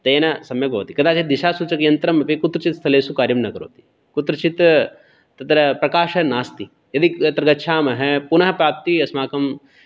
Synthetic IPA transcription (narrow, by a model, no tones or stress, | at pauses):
t̪eːnɐsɐmjɐkɦoːt̪ikɐd̪aːt͡ʃid̪iʃaːsut͡ʃɐkijɐnt̪ɾɐmɐpikut̪ɾɐt͡ʃit̪st̪ʰɐleːsukaːɾjɐmnɐkɐɾo̰ːt̪i̥ | kut̪ɾɐt͡ʃit̪ | t̪ɐt̪ɾɐpɾɐkaːʃɐnaːst̪i | jɐd̪iɐt̪ɾɐɡɐtːʃʰaːmɐɦɛpunɐɦɐpɾaːp̚t̪iɐsmaːkɐm